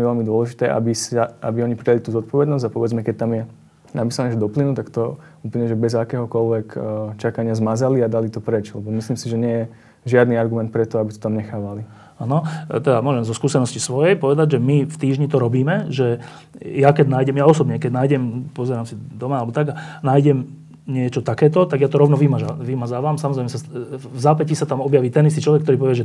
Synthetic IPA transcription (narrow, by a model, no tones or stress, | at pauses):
miʋɛlmid̪ʊɔlɛʒit̪ɛːʔa̰bisaabiɔɲipɾialit̪uːzɔt̪̚pɔʋɛd̪nɔzɟapɔʋɛd͡zmɛkɛc̚t̪amjɛ | napisanɲɛʒd̪ɔplinut̪akt̪ɔ | uːpl̩ɲɛʒɛbɛzakɛːɦɔkɔlʋɛkt͡ʃakaɲɪazmazaliad̪alit̪ɔpɾɛt͡ʃlɛbɔmisliːmsiʒɛɲɪɛjɛ | ʒɪad̪niaɾɡumɛnt̪pɾɛt̪ɔabit̪ɔ̥t̪amɲɛxaːʋali | anɔt̪ɛd̪amʊɔʒɛmzɔskuːsɛnɔscisʋɔjɛjpɔʋɛd̪aɟʒɛmift̪iːʒɲit̪ɔɾɔbiːmɛʒɛ | jakɛɟnaːjɟɛmjaɔsɔbɲɛkɛɟnaːjɟɛmpɔzɛɾaːmsid̪ɔmaalɛbɔt̪aɡanaːjɟɛm | ɲɪɛt͡ʃɔt̪akɛːt̪ɔt̪aɡjat̪ɔɾɔʊnɔʋimaʒaʋimazaːʋaːmsamɔzɾɛɪjmɛsavzaːpɛcisat̪amɔbjaʋiːt̪ɛnis̬t̪iːt͡ʃlɔʋɛkt̪ɔɾipɔʋɛʒɛ